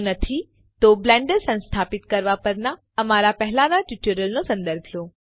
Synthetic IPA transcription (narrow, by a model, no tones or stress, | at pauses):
nɐt̪ʰi | t̪oblɛ̃ːɳɖəɾsɐ̃nst̪ʰaːpɪt̪kɐɾʋapɐɾna | ɐmaɾapɛɦɪlanaʈuʈuɾəlnosɐ̃nd̪əɾbʱloː